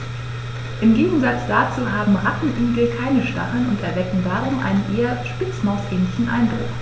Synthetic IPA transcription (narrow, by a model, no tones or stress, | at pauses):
ʔɪmɡeːɡŋ̩zat͡sd̥at͡suːɦaːbm̩ʁatn̩ʔyːɡl̩kʰaɪnəʃta̰χl̩nʊntɛɐvɛkŋ̩daːʁ̞ʊmʔa̰ɪnənʔeːɐʃpɪt͡smaʊsʔɛːnlɪçn̩ʔa̰ɪnbʁʊ̰x